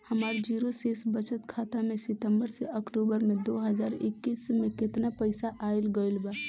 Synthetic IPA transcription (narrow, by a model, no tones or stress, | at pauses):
həmaɾd͡ʒiɾosesbət͡ʃət̪kʰat̪amesɪt̪əmbəɾseəkʈubəɾmed̪oɦəd͡ʒaːɾḛkːismeket̪napəɪsaʔailɡəjlba